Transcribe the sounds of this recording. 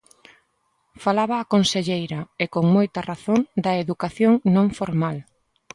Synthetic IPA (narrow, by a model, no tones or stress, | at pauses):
falaβɐːkonseʎejɾɐekoŋmojt̪ɐraθond̪ɐeðukaθjoŋnõŋfoɾmal